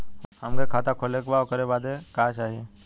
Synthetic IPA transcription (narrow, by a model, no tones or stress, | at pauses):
hɐmkekʰaːt̪akʰoːlekbaokəɾebaːd̪ekaːt͡ʃaːɦieː